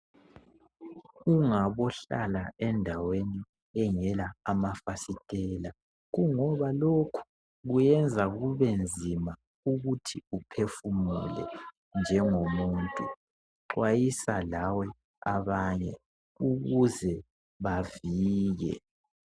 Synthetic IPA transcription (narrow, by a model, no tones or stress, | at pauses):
uŋaβɔɬa̰laɛndʱaweni | ɛŋɛlaːmafasitʼɛːla | ɣuŋɔβalokʰu̥ | ɣujɛnd͡zʱaɣuβend͡zʱima | uɣutʰiupʰefumṵlɛ̰ | nd͡ʒʱɛŋomuːntʼu | ǃwajisalawɛ | aβaɲɛ | uɣuzɛ | βaviːɣɛ̰